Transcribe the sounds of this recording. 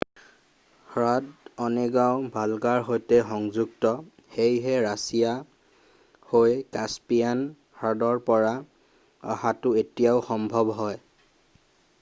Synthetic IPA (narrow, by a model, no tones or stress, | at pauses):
xɹadɔnɛɡaʊbʱalɡaɹɦojtɛxɔŋzuɡtɔ | xejɦɛɹasija | hojkaspijan | hadɔɹpɔɹa | a̰hatʊetijaʊxɔmbʱɔbɦɔj